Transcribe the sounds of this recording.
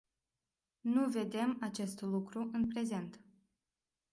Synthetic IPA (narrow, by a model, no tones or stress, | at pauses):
nuve̞d̪e̞mat͡ʃe̞st̪lukɾuʔɨnpɾe̞ze̞nt̪